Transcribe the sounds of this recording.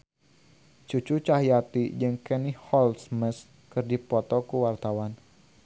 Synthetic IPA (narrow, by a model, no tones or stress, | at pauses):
t͡ʃut͡ʃut͡ʃaɦijat̪id͡ʒɨŋkɛnihɔlsməs | kɨrdipɔt̪ɔkuwart̪awan